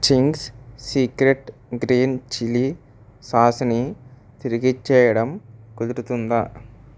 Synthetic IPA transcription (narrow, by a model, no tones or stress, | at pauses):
t͡ʃiŋɡssiːkɾeʈɡɾiːnt͡ʃili | saːsɐni | t̪iɾiɡit͡ʃːɛːjɐɽɐmkud̪iɾut̪und̪ɐ